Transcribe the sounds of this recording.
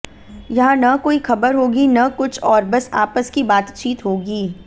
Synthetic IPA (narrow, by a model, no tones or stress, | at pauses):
jɐɦãnɐkoːixɐbəɾɦoːɡinɐkʊt͡ʃʰɔːɾbɐsaːpəskibaːt̪t͡ʃiːt̪ɦoːɡiː